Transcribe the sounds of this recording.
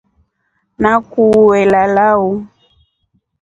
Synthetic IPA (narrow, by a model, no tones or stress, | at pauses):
nakuwɛlalau